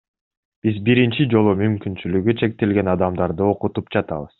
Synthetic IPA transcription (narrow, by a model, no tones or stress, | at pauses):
b̥izbiɾint͡ʃid͡ʒo̞lˠumymkynt͡ʃylyɡyt͡ʃʰe̞k̚t̪e̞lɡe̞nɑd̪ɑmd̪ɑɾd̪ɯo̞qut̪upd͡ʒɑt̪ɑ̰βɯz̥